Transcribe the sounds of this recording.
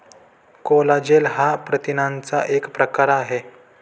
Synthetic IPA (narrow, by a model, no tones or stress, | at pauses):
kolad͡ʑelɦapɾət̪inãnt͡saʔekpɾəkaɾaɦe